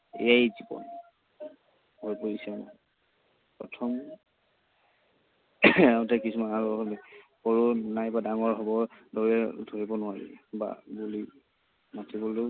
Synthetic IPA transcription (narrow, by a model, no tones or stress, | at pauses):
ḛajzibɔ̰n | bʱojpoɹisɛm | pɹɔ̰tʰɔm | aʊtɛkisumanaɹulikɔɹunajbadaŋɔɹɦɔbɔɹdɔɹɛdʱoɹibɔnʊwaɹḭba̰buli | matibɔlo